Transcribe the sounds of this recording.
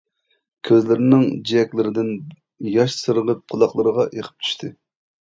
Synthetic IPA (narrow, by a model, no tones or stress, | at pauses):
kʲʰøzlɪɾɪnɪŋd͡ʒiɛkʲlɪɾɪd̪ɪn | jɑʃsɨɾəʁəp̚qʰəlˠɑχlˠɨɾəʁɑʔeqʰə̥p̚t̪ʰy̥ʃt̪ʰɨ